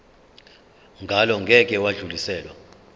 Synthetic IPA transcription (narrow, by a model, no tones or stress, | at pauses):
ŋɡʱalɔŋɡʱɛkʼɛwaɮulisɛːlwa